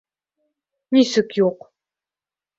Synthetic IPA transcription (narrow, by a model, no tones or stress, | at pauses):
nisɨkʰjoq